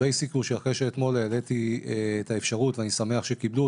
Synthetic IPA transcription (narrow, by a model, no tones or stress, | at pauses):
ejsikuʃeaχʁeʃeːt̪mo̞lejale̞t̪ieːt̪aefʃaʁut̪veanisame̞aχʃe̞kiblu